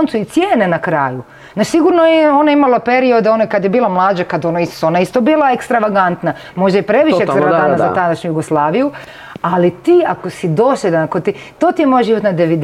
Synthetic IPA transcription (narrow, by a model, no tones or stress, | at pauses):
nt̪suit̪sjeːnenakɾaːju | nasiɡuɾnojeo̞naimalapeɾiod̪eo̞nakad̪jebiːlˠamlˠaːd͡ʒakad̪onaisonaist̪obiːlˠaekst̪ɾaʋaɡant̪na | mo̞ʒd̪ajepɾeʋiʃʃeest̪ɾaaɡannazat̪ad̪aʃɲujuɡoslˠaːʋiju | alit̪iːakosid̪o̞ʃled̪anakot̪i | t̪o̞t̪iemojeʒiʋot̪nad̪eʋid̪